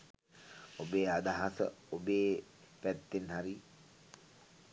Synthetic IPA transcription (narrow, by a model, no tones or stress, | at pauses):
obeːad̪aɦasə̰obeː | pæt̪ːenɦaɾi